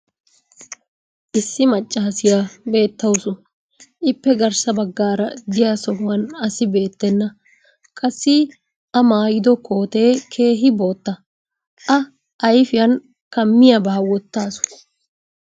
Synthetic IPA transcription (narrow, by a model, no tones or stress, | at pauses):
ʔɪsːɪmɐt͡ʃʼːɐɐsɪjabe̞ːt̪ːɐwsʊn | ʔɪpːɛɡɐɾsɐbɐɡːaːɾɐd̪ɪjasɔɦʊwɐnɐsɪbe̞ːt̪ːɛnːɐ | kʼɐsːɪ | ʔɐmaːjɪd̪ɔko̞ːt̪e̞ːkʰe̞ːɦɪbo̞ːt̪ːɐ | ʔɐ | ʔɐjfɪjɐn | kɐmːɪjɐbɐːɐwɔt̪ːaːsʊ̥